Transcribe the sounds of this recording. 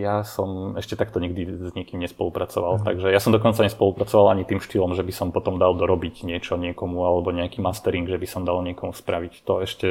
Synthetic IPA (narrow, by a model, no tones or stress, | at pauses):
jasɔmɛʃcɛt̪akt̪ɔɲiɡ̚d̪izɲɪɛkimɲɛspɔlupɾʔat͡sɔʋalt̪aɡʒɛjasɔmd̪ɔkɔnt͡saɲɛspɔlupɾat͡sɔʋalʔaɲit̪iːmʃt̪ilɔmʒɛbisɔmpɔt̪ɔmd̪ald̪ɔɾɔbiɟɲɪɛt͡ʃɔɲɪɛkɔmualɛbɔɲɛakiːmast̪ɛɾiŋɡʒɛbisɔmd̪alɲɪɛkɔmuspɾaʋict̪ɔɛʃcɛ